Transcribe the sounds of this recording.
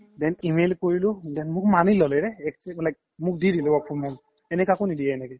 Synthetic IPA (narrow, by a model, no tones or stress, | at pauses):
dɛnimelkoɹilʊdɛnmʊk̚manilɔlɛɾɛɛksɛblajk̚ | mʊk̚didilɛbɔkʰɔmɔŋ | ɛnɛkakonidijanɛkɛ